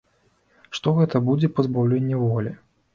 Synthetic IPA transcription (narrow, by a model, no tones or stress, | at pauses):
ʂt̪ɔɣɛt̪ɐbud͡zʲɛpɐzbawlʲenʲːɛvɔlʲɛ